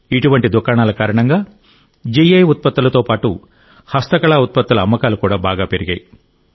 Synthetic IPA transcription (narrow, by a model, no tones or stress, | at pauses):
iʈuʋɐɳʈid̪ukaːɳaːlɐkaːɾɐɳɐŋɡaː | d͡ʒijɐjut̪̚pɐt̪ːulɐt̪oːpaːʈu | hɐst̪ɐkɐɭaːut̪̚pɐt̪ːulɐɐmːɐkaːlukuːɽaːbaːɡaːpeɾiɡɐːji